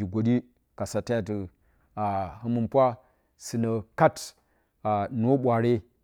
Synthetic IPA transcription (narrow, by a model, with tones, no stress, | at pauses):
i˨ɡʷo˨ɗi˦ | ka˨sa˨ta˦a˨tɨ˨ | a˨hɨ˦mu˦npʷa˦ | sɨ˨nə˨ka˦t | a˨n˨o˦ɓʷa˨ɾe˦